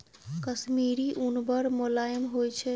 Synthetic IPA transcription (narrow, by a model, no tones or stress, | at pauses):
kəsmiɾiʔunbəɾmolajəmɦojt͡ʃʰɛ